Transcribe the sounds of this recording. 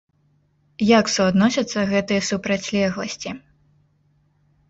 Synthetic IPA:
jaksuad̪nɔsʲɐt̪sːɐɣɛt̪ɨjɐsupɾɐt͡sʲlʲɛɣlˠɐsʲt͡sʲi

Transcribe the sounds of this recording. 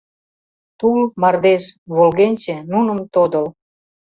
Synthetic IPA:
t̪ulmɑrd̪eʃβolɣenʲt͡ɕenunə̆mt̪od̪əl

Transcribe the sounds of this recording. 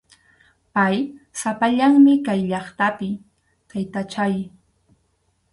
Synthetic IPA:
pajsapaʎaŋmɪkajʎɑχt̪apɪ | t̪ajt̪at͡ʃaj

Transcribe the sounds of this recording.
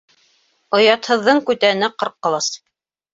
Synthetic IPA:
ŏjɑt̪hɤ̆ðːɤɴkʉt̪æɘ̆næqɤ̆ɾqːɤ̆lˠɑs

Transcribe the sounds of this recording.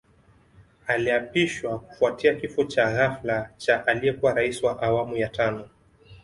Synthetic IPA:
aliapiʃwaku̥fuatiakifɔt͡ʃaɣaflat͡ʃaʔalijɛkuwaɾaisiwaʔawamujatanɔ

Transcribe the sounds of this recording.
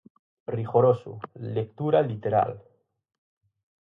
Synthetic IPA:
riɣoɾosṵlek̚t̪uɾalit̪eɾa̰l

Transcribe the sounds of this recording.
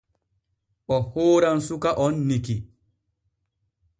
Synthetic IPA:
ʔɔhoːɾansukaʔɔnːiki

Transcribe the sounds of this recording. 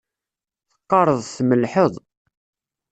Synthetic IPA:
θə̥qːɑɾˤəðˤθməlħəðˤ

